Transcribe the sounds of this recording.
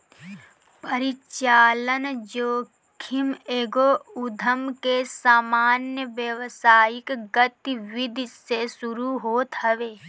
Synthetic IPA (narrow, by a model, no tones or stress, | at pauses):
pəɾɪt͡ʃaːlənd͡ʒoː | kʰɪmeːɡoʊd̪ʱəmkesaːmaːnjəʋjəʋsaːjɪkɡət̪ʋɪd̪ʱsesuɾuɦoːt̪ɦəʋeː